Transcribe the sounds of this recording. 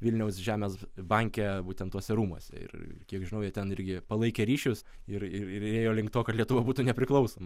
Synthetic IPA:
ʋʲɪlʲnʲɛʊsʒʲæːmʲɛːsbɐŋʲkʲɛbuːt̪ʲɛnt̪ːuɔsʲɛɾuːmuɔsʲɛ̰ɪ̰rɪ̰kʲiɛkʒʲɪnɐʊjɛt̪ʲɛnɪɾʲɡʲɪpɐlˠɐɪkʲeːɾʲiːʃʲʊsɪɾɪɾɪɾeːjoːlʲɪŋk̚t̪oːkɐt̪lʲiɛt̪ʊʋɐbuːt̪uːnʲɛpʲɾʲɪklˠɐʊsoːmɐ

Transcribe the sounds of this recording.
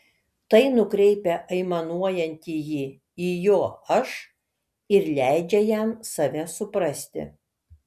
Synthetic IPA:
t̪ɐɪnʊkɾʲɛɪpʲɛʔɐɪmɐnuɔjɛnʲt̪ʲijiː | iːjoːɐʃ | ɪɾlʲæˑɪd͡ʒʲɛjɛmsɐʋʲɛsʊpɾɐsʲt̪ʲɪ̰

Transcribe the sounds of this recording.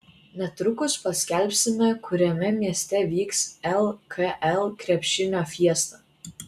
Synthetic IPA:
nʲɛt̪ɾʊkʊspɐsʲkʲɛˑlʲpʲsʲɪmʲɛkʊɾʲɛmʲɛmʲiɛsʲt̪ʲɛʋʲiːksɛlˠkʰɐʔɛlˠkɾʲɛpʲʃʲɪnʲoːfʲiɛst̪ɐ

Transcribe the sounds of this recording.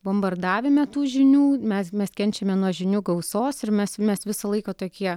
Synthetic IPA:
bombɐrd̪ɑːʋʲemʲɛt̪uːʒʲɪnʲuːmʲɛsmʲɛskʲɛnʲt͡ʃʲɛmʲɛnuɔʒʲɪnʲuɡɐʊsoːsɪɾmʲɛsmʲɛsʋʲɪsɐlˠɐɪkɐːt̪oːkʲiɛ

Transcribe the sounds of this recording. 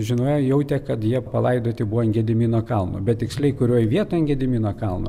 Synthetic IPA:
ʒʲɪnoːjɛjɛʊt̪ʲɛkɐt̪jiɛpɐlˠɐɪd̪oːt̪ʲɪbuʋɔnɡʲɛd̪ʲɪmʲiːnoːkɐlˠno̰ːbʲɛt̪̚tʲɪksʲlʲɛɪkʊɾʲoːjʋʲiɛt̪oːjnʲɡʲɛd̪ʲɪmʲiːnoːkɐlˠno̰ː

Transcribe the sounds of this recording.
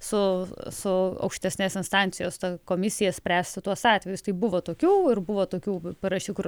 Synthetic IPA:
sʊsʊɐ̰ʊkʃʲt̪ʲɛsʲnʲeːsɪnst̪ɑnʲt̪sʲɪjoːst̪ɐkoːmʲɪsʲɪjɛsʲpʲɾʲæːsʲt̪ʲɪt̪uɔsɑːt̪ʲʋʲɛjʊst̪ɐɪbʊʋoːt̪oːkʲuːɪrbʊʋoːt̪oːkʲuːpɐɾɐʃʲuːkʊr

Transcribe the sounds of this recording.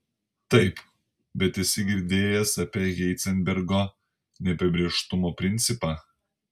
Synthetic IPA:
t̪ɐɪp | bʲɛt̪ɪsʲɪɡʲɪɾʲd̪ʲeːjɛsɐpʲeːɣʲɛɪt̪sʲɛnʲbʲɛɾɡoː | nʲɛpʲɐbʲɾʲeːʃt̪ʊmoːpʲɾʲɪnʲt̪sʲɪpɑ

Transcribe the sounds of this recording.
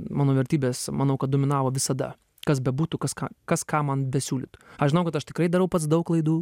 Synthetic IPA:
mɑːnoːʋʲɛɾʲt̪ʲiːbʲeːsmɐnɐʊkɐt̪̚d̪oɔmʲɪnɑːʋoːʋʲɪsɐd̪ɐ̰ | kɐsbʲɛbuːt̪ukɐskɑ̰kɐskɑːmɐnbʲɛsʲuːlʲɪt̪ʊ̥ɐʃʒʲɪnɐʊkɐt̪ɐʃt̪ʲɪ̥kɾɐɪd̪ɐɾɐʊpɐt̪sd̪ɐʊklˠɐɪd̪uː

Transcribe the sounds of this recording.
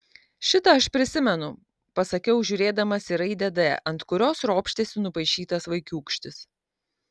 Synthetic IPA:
ʃʲɪt̪ɐɐʃpʲɾʲɪsʲɪmʲɛnʊ | pɐsɐkʲɛʊʒʲʊːɾʲeːd̪ɐmɐsʲɪɾɐɪd̪ʲɛd̪ɛ̰ʔɐnt̪kʊɾʲoːsɾoːpʲʃʲt̪ʲeːsʲɪnʊpɐɪʃʲiːt̪ɐsʋɐɪkʲuːkʃʲt̪ʲɪs

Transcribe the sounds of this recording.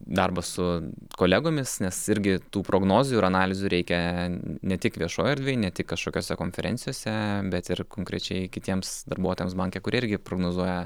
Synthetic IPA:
d̪ɐrbɐsʊkoːlʲæɡoːmʲɪsnʲɛsɪɾʲɡʲɪt̪uːpɾoːɡnoːzʲuːɪɾɐnɑːlʲɪzʲuːɾʲɛɪkʲɛnʲɛt̪ʲɪkʋʲiɛʃoːjɪrd̪ʲʋʲeːjnʲɛt̪ʲɪkːɐʃkoːkʲoːsʲɛkoːnʲfʲɛɾʲɛ̰nʲt͡s̪ʲɪjoːsʲɛbʲɛt̪ɪrkoːŋkɾʲɛt͡ʃʲɛɪkʲɪt̪ʲiɛmsd̪ɐrbuɔt̪oːjɛmsbɐŋʲkʲekʊɾʲiɛɪɾʲɡʲɪpɾoːɡnoːzuɔjɛ

